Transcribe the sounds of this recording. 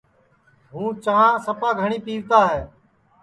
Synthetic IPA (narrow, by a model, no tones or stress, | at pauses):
ɦũːt͡ʃəɦãːsəpaːɡʱəɳiːpiːʋt̪aːɦɛː